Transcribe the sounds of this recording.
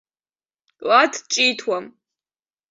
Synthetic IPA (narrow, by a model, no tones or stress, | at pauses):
latʰt͡ʃʼijtʰwam